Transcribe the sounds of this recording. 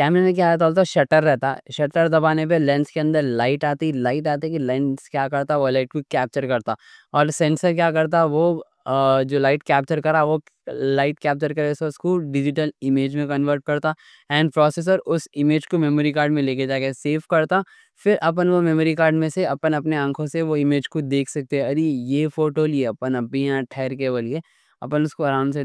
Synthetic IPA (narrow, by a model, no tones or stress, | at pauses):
kɛːmɾemẽk̬jaːt̪ɔːlt̪aʃɐʈəɾːɛɦt̪a̰ʃɐʈəɾd̪ɐbaːnep̬elɛ̃ːnskeɐ̃nd̪əɾlaːɪʈaːt̪ilaːɪʈaːt̪ikilɛ̃ːɳskjaːkɐɾt̪aɦɛʋolaːɪʈ̚kokɛːp̚t͡ʃəɾkɐɾt̪aːɔːɾsɛ̃ːnsəɾkjaːkɐɾt̪̬aɦɛʋo | d͡ʒoːlaːɪʈkɛːp̚t͡ʃəɾkɐɾaɛʋo | laːɪʈkɛːp̚t͡ʃəɾkɐɾeseʊskoɖɪd͡ʒɪʈəlɪmeːd͡ʒmẽkɐ̃nʋəɾʈ̚kɐɾt̪a | ɛ̃ːnɖpɾɔːseːs̬əɾʊsɪmeːd͡ʒkomɛmoɾikaːɾɖmẽleːked͡ʒaːkeseːfkɐɾt̪a | fɪɾʔɐp̬ənʋomɛməɾikaːɾɖmẽseɐpənɐpneɐ̃ŋkʰõseʋoɪmeːd͡ʒkod̪eːkʰsɐk̚t̪eɛ̃ɐɾijeːfoːʈoːlieɐpənɐbijãʈʰɛːɾkebəlke | ɐ̰pənʊskoɐɾãːʊ̃nɖse